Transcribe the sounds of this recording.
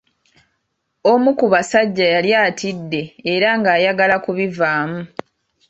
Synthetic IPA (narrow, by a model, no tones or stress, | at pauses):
omukuβasaɟːajaljaːtidːe̞ːɾaŋɡaːjaɡalakuβivaːmu